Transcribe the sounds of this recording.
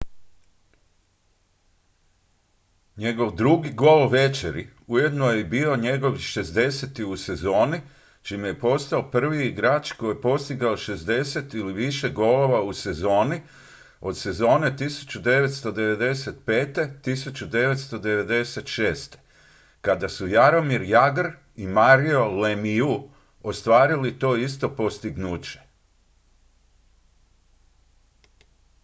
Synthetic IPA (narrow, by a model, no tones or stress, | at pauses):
ɲe̞ɡo̞ʋd̪ɾuɡiɡo̞lʋe̞t͡ʃḛɾḭ | uje̞d̪nojebiːo̞ɲe̞ɡo̞ʋiʃe̞zd̪e̞set̪iuse̞zo̞ːni | t͡ʃimuje̞po̞st̪aopr̩ʋiiɡɾaːt͡ʃko̞jepo̞st̪iɡaoʃe̞zd̪e̞se̞t̪iliʋiʃe̞ɡo̞lo̞ʋause̞zo̞ːni | o̞d̪se̞zo̞ːne̞t̪isu̥t͡ɕud̪e̞ʋe̞t̪st̪o̞d̪e̞ʋe̞d̪e̞se̞t̪̚pe̞ːt̪e̞t̪isut͡ɕud̪e̞ʋe̞t̪st̪o̞d̪eʋe̞d̪e̞se̞t̪ʃeːst̪e̥ | kad̪asujaɾo̞miɾjaɡɾ | imaɾio̞lemiu | ost̪ʋaːɾilit̪o̞ːis̬t̪o̞po̞st̪iɡnuːt͡ɕe̞̥